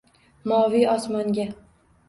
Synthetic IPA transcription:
mɒviɒsmɒŋɡʲa

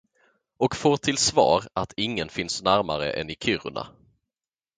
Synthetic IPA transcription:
ɔkfoːʈʰɪlsvɑ̰ːɾat̪ʰɪŋːənfɪnsnæɾmaɾə̰ʔɛ̰nɪkʰʏɾʊ̰ɳa̰

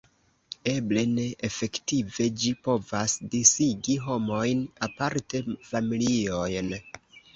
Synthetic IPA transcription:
e̞ble̞ne̞ʔefe̞ktive̞d͡ʒipo̞vasdisiɡiɦo̞mo̞jnapaɾte̞familio̞jn

